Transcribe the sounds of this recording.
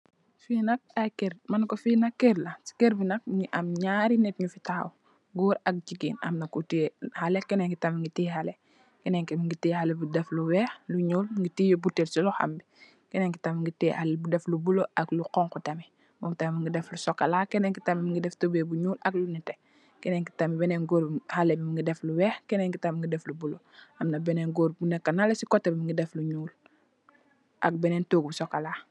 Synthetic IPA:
finɐk̚akeɾmɐnkɔfinɐkːeɾlɐsi̥keɾbinɐk̚ɲʔɐmɲaːɾinɛt̚ɲufitaːw | ɡuːɾɐk̚d͡ʒiɡiːnɐ̰mnɐkutihalɛkɛnɛŋkitɐmiŋɡitiːhalɛ | kɛnɛŋkɛmiŋɡiteːhalɛbudɛfluwɛːxluɲuːlŋɡitiːjobuteɾsilɔxa̰mbi | kɛneŋki̥tamiŋɡiteːhalelbudeflubuloʔakluqɔŋkutami | momtammiŋɡidɛflusokalaːkɛneŋkitamimiŋɡidɛftobebuɲuːlaklunite | kɛneŋki̥tamibɛneŋɡoɾhalebimiŋɡidɛfluwɛːxkɛneŋkitamiŋɡidɛflubulo | amnabɛneŋɡoːɾbunekːanalesikotːebimiŋɡidɛfluɲuːl | ʔa̰k̚bɛneːntoːɡ̚busokalaː

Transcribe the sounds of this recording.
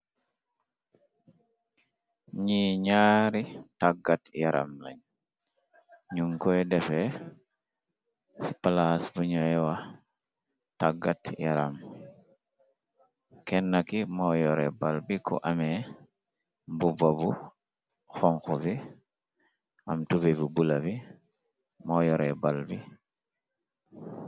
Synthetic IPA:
ɲiɲaːɾitaɡatjaɾʔa̰mla̰ɲ | ɲuŋkɔjdɛfɛ | si̥palasbuɲɔɛwa | taɡatja̰ɾam | kɛnːakimɔjɔɾɛbalbikɔ̰ʔamɛ | mbubabu | xɔŋxubi | ʔamtuvebubulabi | mɔjɔɾɛ̰balbi

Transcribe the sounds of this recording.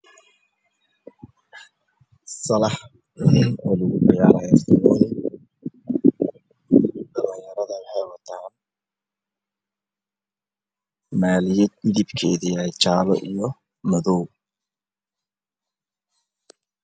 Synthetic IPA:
sɐlɐħ | nɔlʊɣʊbɪjaːlɛst̪ʰɐmɔːlɪ | ɖɐlɐjjɐɾɐðɐwɑħɑjwɑt̪ʰaːn | maːlɪjɛd̪mɪðibkʰɛːðiɛjt͡ʃaːlɔʔijɔ | mɐðɔw

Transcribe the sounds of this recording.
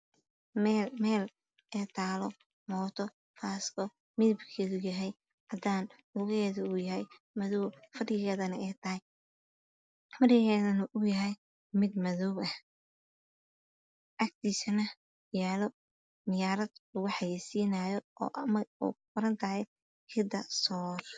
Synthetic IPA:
ɛmɛːl | ɛːt̪ʰaːlɔ | mɔːt̪ʰɔ | faːskʰɔ | mɪðɪbkʰɛːðʊjɐɦɛj | hɐd̪aːn | ʊɣɛːðʊujɐɦɛj | mɐðɔwfɐɖɪɣɛːðɐnɐɛːt̪ʰɐɦɛj | fɐɖɪɣɛːðɐnɐʔʊjɐɦɛj | mɪd̪mɐðɔwɐh | ʔɐk̚t̪ʰiːsɐnɐ | jaːlɔ | nɪjaːɾɐd̪ʊɣʊħɑjɛːsiːnaːjɔʔɔ̰ːʔmɐɔ̰ːqʊɾɐnt̪ʰɐɦɛ | kʰɪd̪ɐsɔːr

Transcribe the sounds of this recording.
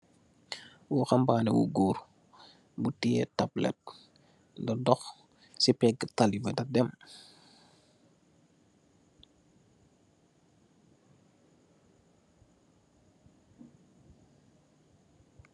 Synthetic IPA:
wuxambanɛ̰wṵɡuːɾ | butiɛtablɛ̰t̚ | dɔdɔx | sipɛɡətalifɛdɐdɛm

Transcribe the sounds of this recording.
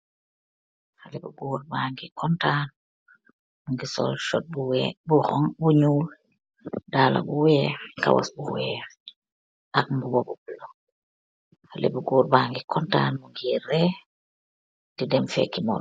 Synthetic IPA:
halibuɡuːɾbaːŋɡikʰɔntaːn | muŋɡisɔ̰lʃɔt̚buwɛbuhɔŋbuɲuːl | daːla̰buwɛːka̰wa̰sbuwɛː | ʔak̚mbubɔbubulɔ | halḭbuɡuːɾbaːŋɡikɔntaːnmuŋɡirɾɛ | tidɛmfɛ̰kːimɔ̰l

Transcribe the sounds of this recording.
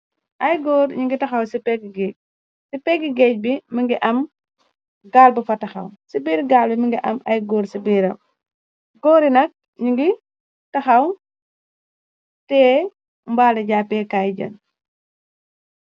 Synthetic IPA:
ʔɐjɡɔːɾɲuŋɡitɐxɐwsipɛɡiɡɛːc̚ | sipɛɡiɡɛc̚biməŋɡiʔɐm | ɡaːlbɐfɐtɐxɐ̰wsibiːɾɡaːlbiməŋɡiʔɐmɐjɡɔːɾsibiːɾɐm | ɡɔːɾinɐk̚ | ɲiŋɡi | tɐxɐw | tɛː | mbaːlɐɟaːpɛːkaːjɟɐ̰n

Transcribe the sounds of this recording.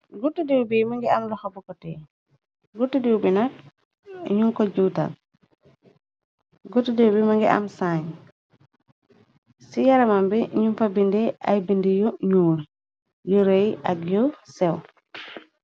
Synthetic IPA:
ɡutːidiwbimaŋɡiamlɔhabukɔtɛ | ɡutidiwbinak̚ | ɲuŋkɔɟuːta̰l̚ | ɡutidiwbimaŋɡiʔa̰msaːɲ | sijaɾamambiɲumfabindiʔa̰jbindijɔɲuːl | jɔɾeja̰kjɔsɛw

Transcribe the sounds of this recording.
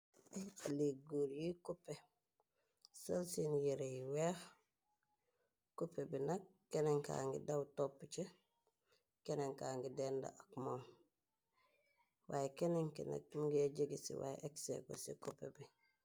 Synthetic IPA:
ʔealiɡuɾjikupːe | salsinjiɾejwex | kupebinakːeneŋka̰ːŋɡḭdawtopːt͡ʃe | keneŋkaːŋɡidenda̰akmom | wʔajekeneŋkina̰k̚muɡeɟiɡisḭwa̰jḛʔeksḛko̰sḭkupḛbi

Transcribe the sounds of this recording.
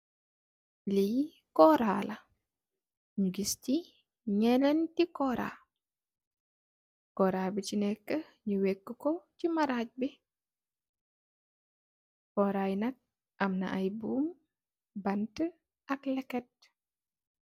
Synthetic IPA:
lij | kɔɾaːlɐ | ɲuɡisti | ɲɛlentikɔɾa̰ | kɔɾabicinɛkːə | ɲuwekːukocimaɾac̚bi | kɔɾajnɐk̚ | ʔɐmna̰ʔajbuːm | bɐntə | ʔɐklɛkɛt̚

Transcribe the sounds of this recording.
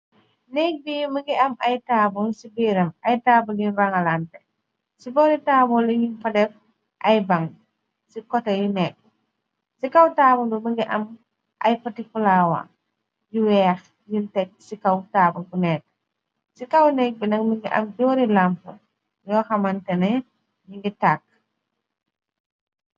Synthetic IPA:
nɛk̚bijumiŋɡiɐmajtaːbɔnsibiɾɐmajtaːbulinbaŋalantɛ | sibɔːɾitaːbɔliɲinfɐdɛf | ʔɐjbaŋ | sikɔtɐjunɛk̚ː | sikawtaːbundumiŋɡiʔɐm | ʔɐ̰jpɐtifulawa̰ | jiwɛːx | jintɛk̚sikawtaːbukunɛːkː | sikawnɛk̚binɐk̚miŋɡiʔɐ̰mɟɔːɾilampu | jɔːxɐmantɛnɛ | jiŋɡitaːk̚

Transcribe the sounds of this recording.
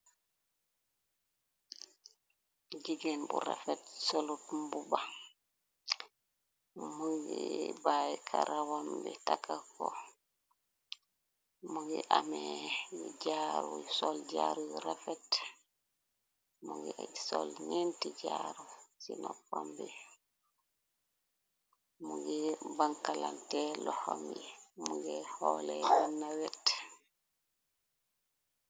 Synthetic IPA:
d͡ʒiɡɛnbṵɾafɛtsolutmbuba | muɡɛbajkʰaɾawambɛtakːakɔ | muɡɛ̰ʔamɛbid͡ʒaɾujsɔld͡ʒaɾuɾafɛt | muɡɛʔad͡ʒsɔlɲentid͡ʒaːɾusinɔpɔmbɛ | muɡɛbaŋkalantɛlɔhommuɡɛhɔːlɛwinːawɛt

